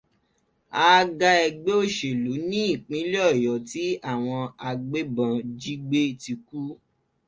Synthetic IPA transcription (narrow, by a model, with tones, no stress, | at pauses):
aː˦ɡa˦ɛ˧ɡ͡be˦o˦˨ʃe˨lu˨˦nĩ˦i˦˨k͡pĩ˨˦le˦ɔ˦˨jɔ˨ti˨˦a˦˨w̃ɔ̃˧a˧ɡ͡be˦bã˧d͡ʒi˦ɡ͡be˦ti˧ku˦